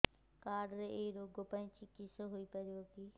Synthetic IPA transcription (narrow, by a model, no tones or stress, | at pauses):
kaːɖɾeeɾoːɡopɐ̃t͡ʃʰikɪsoɦoipɐɾjoːkiː